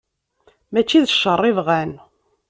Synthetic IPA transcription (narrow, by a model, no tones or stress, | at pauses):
mæt͡ʃːiðəʃərˤːɪvʁæn